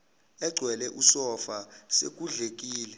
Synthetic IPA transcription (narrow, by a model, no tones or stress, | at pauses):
ɛɡ͡ǀʱwɛlɛʔusɔfasḛk̬ʼuɮek̬ʼiːlɛ